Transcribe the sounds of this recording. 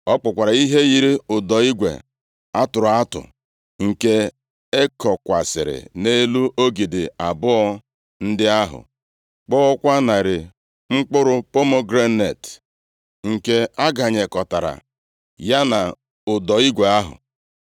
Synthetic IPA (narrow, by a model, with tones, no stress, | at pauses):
ɔ˦k͡pʊ˨kʷa˨ɾa˨i˦ɦe˦ji˨ɾi˦ʊ˨dɔ˨i˦ɡʷḛ˨ | a˦tʊ˨ɾʊ˨a˦tʊ̰˨ | ŋ̩˨ke˦ | e˦kɔ˨kʷa˨sɪ̰˨ɾɪ̰˨ne˦lu˦ʔo˦ɡi˨dɪ˨a˨bʊ˦ɔ˦ | n̩˦dɪ˦a˦ɦʊ̰˨ | k͡pɔ˦ɔ˦kʷa˦na˨ɾɪ˨ | ŋ͡m̩˦k͡pʊ˦ɾʊ˦po˦mo˦ɡɾe˦ne˨t | ŋ̩˨ke˦a˦ɡa˨ɲe˨kɔ˨ta˨ɾa̰˨ | ja˦na˨ | ʊ˨dɔ˨i˦ɡʷe˨a˦ɦʊ̰˨